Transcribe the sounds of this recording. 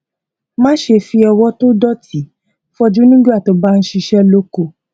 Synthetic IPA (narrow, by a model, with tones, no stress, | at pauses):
mãː˦ʃe˧fi˧˦ɔ˧wɔ˦to˦dɔ˦ti˨˦ | fɔ˦d͡ʒu˦nĩ˦ɡa˦˨to˨˦ba˦n̩˦ʃi˧ʃɛ˦lo˦ko˦˨